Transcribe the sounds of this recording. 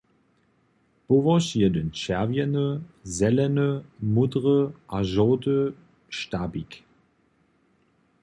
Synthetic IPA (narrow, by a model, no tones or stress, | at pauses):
b̥ovɔʃiɐdənʃɛɐvjɛnəzɛlɛnəmudʁəʔaʒɔːdə | ʃtaːbik